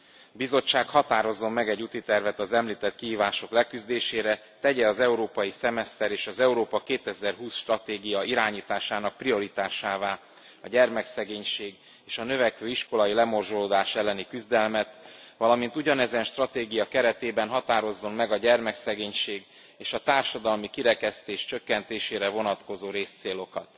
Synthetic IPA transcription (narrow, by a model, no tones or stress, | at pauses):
bizo̞t͡ʃːaːkhɒt̪aːɾo̞zːo̞mːɛɡɛɟːut̪it̪ɛrvɛt̪ɒzɛmliːt̪ɛt̪kihiːvaːʃo̞klɛkyzd̪eːʃeːɾɛ | t̪ɛɟɛɒzɛuɾoːpɒjisɛmɛst̪ɛɾeːʃɒzɛuɾoːpɒkeːt̪ɛzɛrɦuːsʃt̪rɒt̪eːɡijɒiɾaːɲiːt̪aːʃaːnɒk̚prio̞ɾit̪aːʃaːvaː | ɒɟɛrmɛksɛɡeːɲʃeːɡ | eːʃɒnø̞vɛkʋøːiʃko̞lɒjilɛmo̞rʒoloːd̪aːʃɛlːɛnikyzd̪ɛlmɛt̪vɒlɒmin̪t̪uɟɒnɛzɛnʃt̪rɒt̪eːɡijɒkɛɾɛt̪eːbɛnɦɒt̪aːɾo̞zːo̞nmɛɡɒɟɛrmɛksɛɡeːɲʃeːɡ | eːʃɒt̪aːrʃɒd̪ɒlmikiɾɛkɛst̪eːʃt͡ʃø̞kːɛnt̪eːʃeːɾɛvo̞nɒt̪ko̞zoːɾeːst̪seːlo̞kɒt̪